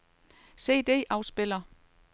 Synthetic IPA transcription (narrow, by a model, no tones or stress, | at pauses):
se̝̰ːd̥e̝̰ːʔɑ̈ʊsb̥e̝l̰ɐ